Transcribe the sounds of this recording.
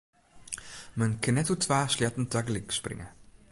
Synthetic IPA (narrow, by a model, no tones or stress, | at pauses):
mənkʰənɛtutʰʋaːsljɛtən̩taɡəliksprɪ̰ŋə̰